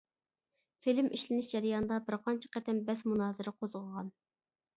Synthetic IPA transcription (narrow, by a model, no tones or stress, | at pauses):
filɪmʔiʃlɪnɪʃd͡ʒɛɾɪjɑnd̪ɑbɪɾqʰɑnt͡ʃʰɛ̥qɛt̪ɛmbɛsmunɑːzɪɾɪqʰozʁəʁɑn